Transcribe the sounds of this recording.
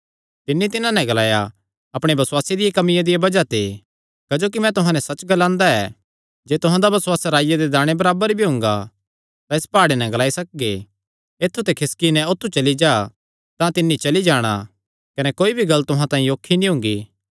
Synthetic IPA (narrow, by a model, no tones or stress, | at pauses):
t̪ɪnːit̪ɪnãnɛ̃ɡɐlaːja | ɐpɽ̃ebɐsʊwaːsed̪ɪjakɐmɪjãd̪ɪjabɐd͡ʒat̪ʰe | kɐd͡ʒoːk̬imɛ̃t̪ʊɦãnɛsɐt͡ʃːɡɐlãːnd̪aɛː | d͡ʒeːt̪ʊɦãd̪abɐswaːsɾaːjad̪ed̪aːɽ̃ebɐɾaːbəɾbʱiɦʊ̃ːŋɡa̰ | t̪ãespaːɽenɛ̃ɡɐlaːisɐk̚ɡe | eːt̪ʰːut̪ekʰɪskinɛ̃ʊt̪ʰːut͡ʃɐlid͡ʒaː | t̪ãt̪ɪnːit͡ʃɐlid͡ʒaːɽ̃a̰ | kɐnɛkoːibʱiɡɐlːt̪ʊɦãt̪ãːĩjoːkʰːinĩɦʊ̃ŋɡiː